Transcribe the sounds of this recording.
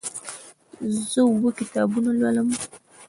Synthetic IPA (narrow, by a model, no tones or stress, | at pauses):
zobukit̪aːbunalwaləm